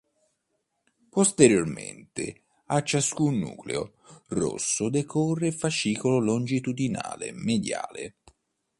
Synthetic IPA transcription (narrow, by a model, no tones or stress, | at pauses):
post̪eɾjormḛnt̪ɪ̰ | at͡ʃːaskunːṵːklḛo | ro̰sːʊd̪ekʰɔrːefaʃiːkololond͡ʒit̪ud̪ina̰ːlḛmed̪ja̰ːlḛ